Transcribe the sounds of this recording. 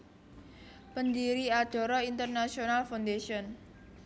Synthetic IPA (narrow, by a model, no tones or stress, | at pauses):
pənd̪iɾiad̪̥ɔ̤ɾɔint̪ərnasionalfawnd̪esiɔn